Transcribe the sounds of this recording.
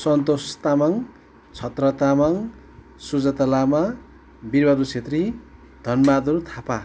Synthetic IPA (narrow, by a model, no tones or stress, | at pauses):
sʌnt̪ost̪amʌŋ | t͡sʰʌt̪rʌt̪amʌŋ | sud͡zʌt̪ʌlama | birbʌɾut͡sʰet̪ri | d̪ʱʌnbad̪ʌɾut̪ʰapa